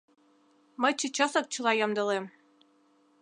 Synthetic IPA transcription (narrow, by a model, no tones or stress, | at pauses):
mɤjt͡ɕət͡ɕɑsɤk̚t͡ɕɤ̆lɑjɑmd̪ɤ̆lem